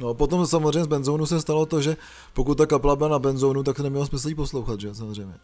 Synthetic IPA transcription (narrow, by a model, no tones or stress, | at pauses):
nopo̞t̪omsamozrejɲɛzbɛnzownusɛst̪alo̞t̪oʒɛ | pokut̪̚t̪ːakapɛlabɪlanabɛnzownut̪̬ak̚t̪onɛmɲɛlosmɪsl̩iːpo̞slowxat̪ʒɛsamozr̝ɛjmɲɛ